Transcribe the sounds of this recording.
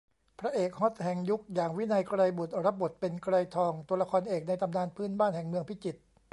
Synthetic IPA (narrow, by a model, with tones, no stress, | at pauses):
pʰɾa˦˥ʔeː˨˩k̚ho˦˥t̪̚hɛ˨˩ŋju˦˥k̚jaː˨˩ŋwi˦˥˩na˧jkɾa˧jbu˨˩t̪̚ɾa˦˥p̚bo˨˩t̪̚pe˧nkɾa˧jt̪ʰɔː˧ŋt̪u˧ɐla˧kʰɔː˧nʔeː˨˩k̚na˧jt̪ʰa˧mdaː˧˨npʰɯː˥˨nbaː˥˩nhɛ˨˩ŋmɯ˧əŋpʰi˦˥t͡ɕi˨˩t̪̚